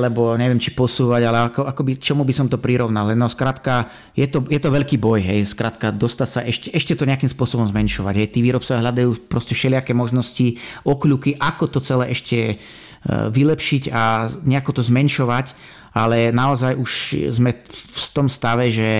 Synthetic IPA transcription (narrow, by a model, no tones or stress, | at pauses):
lɛbɔɲɛʋɪjɛmt͡ʃipɔsuːʋaɟalɛakɔakɔbit͡ʃɔmubisɔmt̪ɔpɾiɾɔʊnalɛnɔskɾaːt̪ka | jɛt̪ɔjɛt̪ɔʋɛʎkiːbɔjɦɛjskɾaːt̪kad̪ɔst̪acsaʔɛʃcɛʔɛʃcɛt̪ɔɲɛakimspʊɔsɔbɔmzmɛnʃɔʋa̰ɟɦɛjt̪iːʋiːɾɔp̚t͡sɔjaɦlad̪ajuːpɾɔscɛfʃɛlɪakɛːmɔʒnɔsciɔklukiʔakɔt̪ɔt͡sɛlɛːʔɛʃcʰɛ | ʋilɛpʃiɟaɲɛakɔt̪ɔzmɛnʃɔʋac | alɛnaɔzajʔuʃzmɛfst̪ɔmst̪aʋɛʒɛ